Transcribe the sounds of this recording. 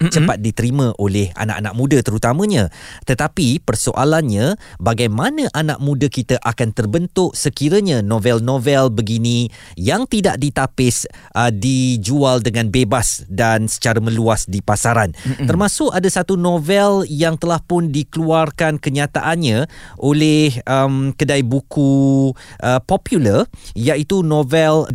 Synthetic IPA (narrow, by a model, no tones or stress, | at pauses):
t͡ʃəpat̪̚dit̪əɾimə̃ʔolɛha̰na̰ʔanaʔ̚mũdət̪əɾut̪amə̃ɲãt̪ət̪apipərsoʔalanɲãbaɡajmanə̃ʔana̰ʔ̚mũdəkit̪əʔakant̪ərbənt̪ʊʔsəkiɾəɲãnõvɛlnõvɛlbəɡinĩ | jaŋt̪ida̰ʔdit̪apɪs | ʔədid͡ʒualdəŋãnbebasdansə̥t͡ʃaɾamə̃luasdipasaɾant̪ərmãsʊkadasat̪unõvɛljaŋt̪əlahpʊndikəluarkankəɲat̪aʔanɲãʔolɛhəmkədajbukuʔəpɔpjulərjaʔit̪unõvɛl